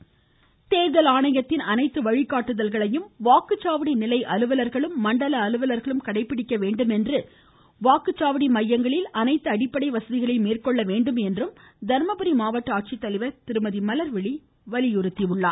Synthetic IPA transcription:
t̪eːðɐlaːɳɐjɐt̪ːɪnɐnɐɪt̪ːɯʋɐɻɪkːaːʈːɯðɐlɣɐɭɐjɯmʋaːkɯt͡ʃːaːʋɐɽinɪlɐɪʔɐlɯʋɐlɐɾɣɐɭɯmːɐɳɖɐlɐːlɯʋɐlɐɾɣɐɭɯmkɐɽɐɪpːɪɽɪkːɐʋeːɳɖɯmɛndrɯ | ʋaːkɯt͡ʃːaːʋɐɽimɐjːɐŋɡɐɭɪlɐnɐɪt̪ːɯɐɽɪpːɐɽɐɪʋɐsɐðɪɣɐɭɐɪmeːrkɔɭːɐʋeːɳɖɯmɛndrɯmd̪ɐɾmɐbɯɾimaːʋɐʈːɯaːʈ̚t͡ʃit̪ːɐlɪʋɐɾt̪ɪɾɯmɐðimɐlɐɾʋɪɭi | ʋɐɭɪjʊɾɯt̪ːiʋɯɭːa̰ː

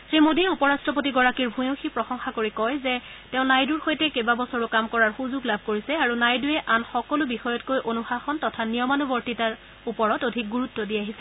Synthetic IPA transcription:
sɹimodiupɔɹastɹɔpotiɡɔɹakiɹbʱũjõxipɹɔxɔŋxakoɹikɔjzɛ | tɛʊ̃najduɹxojtɛkebabɔsɔɹukamkɔɹaɹxuzuɡlabʱkoɹisɛaɹunajdujɛʔanxɔkɔlʊbixɔjɔtkojʔonuxaxɔntɔtʰaniɔmanubɔɹtitaɹ | upɔɹɔtodʱik̚ɡuɹutːɔdiaɦisɛ

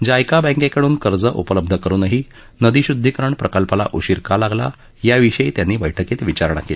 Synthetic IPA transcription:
d͡ʑajkabɛ̃ŋkekəɽuːnkəɾd͡zəʔupələb̚d̪ʱəkəɾuːnəɦi | nəd̪iɕud̪ʱːikɾəɳpɾəkəlpala̰ʔuɕiɾkʰalaɡla̰ | jaʋiɕəjt̪janːiːʋəjʈʰəkiːt̪ʋit͡ɕaɾɳ̃a̰kel

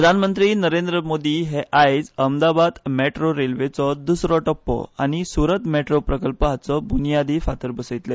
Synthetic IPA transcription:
ɾəd̪ʱanmənt̪ɾiːnəɾend̪ɾəmod̪iːɦeʔajd͡zəmd̪abad̪meʈɾoɾelʋet͡sɔd̪usɾɔʈəpːɔ̰a̰ñisuɾət̪meʈɾopɾəkəlpəɦat͡sɔbunijad̪ifat̪əɾbəsəjt̪le

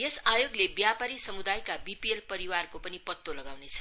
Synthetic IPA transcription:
jesajoɡlebjapaɾisʌmud̪ajkabipielpʌɾiwarkopʌnipʌt̪ːolʌɡawnet͡sʰʌ̥

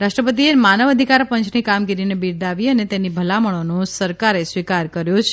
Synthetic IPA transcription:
ɾaʂʈɾəpət̪̬iemanəʋəd̪ʱikaɾpəɲt͡ʃʰnikamɡiɾinebiɾd̪aʋiənet̪enibʱəlaməɭ̃onosəɾkaɾesʋikaɾkəɾjot͡ʃʰ

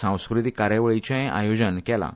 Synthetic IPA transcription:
sãw̃skɾit̪ikaɾeʋɭit͡ɕɛ̃a̰jod͡ʑənkɛla̰

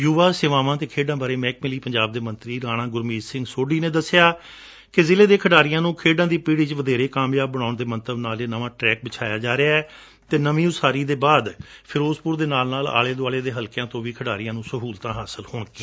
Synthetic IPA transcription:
juːʋaːseːʋaːʋãːt̪eːkʰeːɖãːbaːɾeːmɛːk̚mɪliːpəɲd͡ʒaːb̚d̪eːmə̃nt̪ɾiːɾaːɽ̃ãːɡʊɾmiːzsɪ̃ŋɡsoːɖiːneːd̪əsːɪjaː | kɪzɪleːd̪eːkʰəɖaːɾijãːnũːkʰeːɖãːd̪iːpiːɽiːt͡ʃʋəd̪eːɾeːkaːmjaːbːəɽ̃aːʊɳd̪eːmənt̪əbnaːleːnəʋãːʈɾɛːk̚bət͡ʃʰaːjaːd͡ʒaːɾeaːɛː | t̪eːnəʋĩːʊsaːɾiːd̪eːbaːd̪pʰɪɾoːspʊɾd̪eːnaːlnaːla̰ːleːd̪aːleːd̪eːɦəlkɪjãːt̪õːʋiːkʰəɖaːɾɪjãːnũːsəɦuːlt̪ãːɦaːsəlhoːɳkiː

